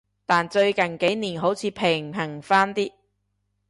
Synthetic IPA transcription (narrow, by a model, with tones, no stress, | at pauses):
t̪aː˨nt͡ʃɵ˧ɥkɐ˨nke˨˥jniː˨˩nɦo˨˥wt͡sʰiː˨˧pʰɪ˨˩ŋ˨pʰɐ˨˩ŋfaː˥nt̪iː˥